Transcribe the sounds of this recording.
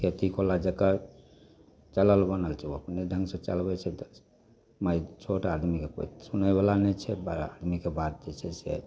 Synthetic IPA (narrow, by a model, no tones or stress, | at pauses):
kʰet̪ikolad͡ʒəkːa | t͡ʃələlbənəlt͡ʃʰɛuəpned̪ʱə̃ŋɡsẽt͡ʃəlbɛt͡ʃʰɛt̪ | mait͡ʃʰoʈaad̪mikeko̰it̪sunəbelanɛt͡ʃʰɛbad̪mikebat̪̚d͡ʒet͡ʃʰɛsḛ